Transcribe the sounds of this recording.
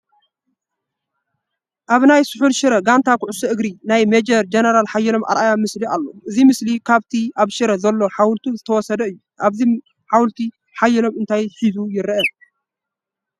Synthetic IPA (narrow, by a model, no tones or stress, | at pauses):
ʔaβnajsʊħulʃɨɾɐɡant̪ʰakʊʕʊsɐʔɨɡɾinajmed͡ʒɐɾd͡ʒenɐɾalħajːɛlo̞mʔa̰ɾʔajamɨsliʔalːo̰ʔɨzimɨslikʰaβt̪ʰiʔaβʃɨɾɐzɐlːo̞ħawlt̪ʰuzɨt̪ʰɐwɔsɐd̪ɐɨjːuʔaβzi | ħawlt̪ʰi | ħajːɛlo̞mɨnt̪ʰajħizujɪɾʔɐ